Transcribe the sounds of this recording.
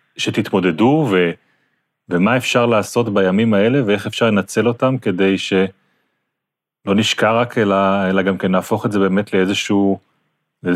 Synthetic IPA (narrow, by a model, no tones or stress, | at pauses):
ʃet̪it̪mo̞de̞duve̞ | vemaefʃaʁlaːso̞tbajamimaele̞vee̞χefʃaʁle̞nat͡se̞lo̞tamke̞de̞jʃe̞ | lo̞niʃkaʁakʰelaelaɡamkenlaːfo̞χetzebe̞ːme̞tleezeʃuː | e